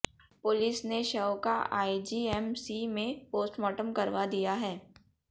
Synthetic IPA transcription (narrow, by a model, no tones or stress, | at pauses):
pʊlɪsneʃɐʋkaʔa̰ːid͡ʒiːɛmsimẽpoːsʈmɔːʈəmkɐɾʋad̪ijaɦɛː